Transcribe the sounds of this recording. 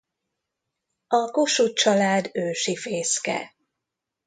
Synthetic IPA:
ɒkoʃut͡ʃɒlaːd̪øːʃifeːskɛ̰

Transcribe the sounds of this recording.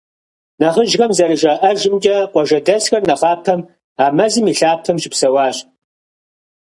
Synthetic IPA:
nɐʁəʒɣɐmzɐɾɨʒɐʔɐʒɪmd͡ʒʼɐqʷɔʒɐdɐsxɐrnɐʁɑːtʰɐm | aːmɐzɨmiːɬaːtʰɐmʒɪpsɐwɑːɕʼ

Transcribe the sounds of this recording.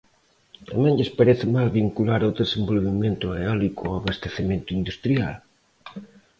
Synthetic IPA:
amẽɲʎɪspaɾeθɪmalβiŋkulaɾod̪esẽmbolβemẽnt̪ʊleɔlikʊaβast̪eθemẽnt̪ʊind̪ust̪ɾja̰l

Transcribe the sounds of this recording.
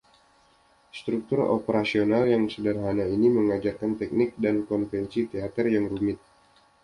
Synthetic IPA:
st̪ɾuk̚t̪ʊro̰pəɾasionaljaŋsədərɦanainiməŋad͡ʒarkant̪ɛk̚nɪk̚dankɔnfɛnsit̪eat̪ərjaŋɾumɪt̪̚

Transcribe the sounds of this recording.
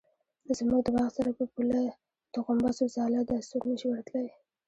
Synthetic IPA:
zmuɡd̪əwɑχsaɾapəpula | t̪oqʊmbɑsozɑlad̪asuɾnəʃiwəɾt̪laj

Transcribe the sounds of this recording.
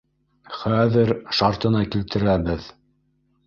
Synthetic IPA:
χæðɘɾʃɑɾt̪ɤ̆nɑkilt̪ɘ̆ɾæbɘð

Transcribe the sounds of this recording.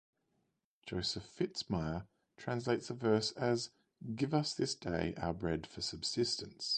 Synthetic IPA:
d̥ʒ̥əʊsəfɪtsmaɪə | tʰɹ̥æ̃ns̬leɪtsəvɜˑ˞səz | ɡɪvʌsðɪsd̥eɪʔa̰ʊəbɹɛd̥fəsʌb̥sɪstə̃ns

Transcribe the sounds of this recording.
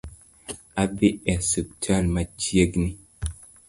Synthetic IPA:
abiɛsuk̚tʰalmat͡ʃieɡni

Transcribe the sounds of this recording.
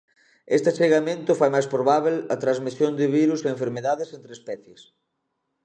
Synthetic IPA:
ḛst̪ɪat͡ʃeɣamẽnt̪ʊfajmajspɾoβaβelɐt̪ɾazmisjond̪ɪβiɾuseeɱfeɾmeðaðɪsent̪ɾespɛθjes

